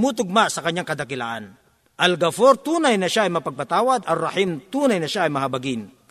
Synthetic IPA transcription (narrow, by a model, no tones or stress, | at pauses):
mut̪ʊɡ̚maʔsɐkɐɲːaŋkɐd̪ɐkɪla̰ʔan | ʔɐlɡɐfoɾt̪uːnajnɐʃaʔɐjmɐpɐɡ̚pat̪aːwad̪ɐrɐhimt̪uːnajnɐʃaʔɐjmɐɦabɐɡɪn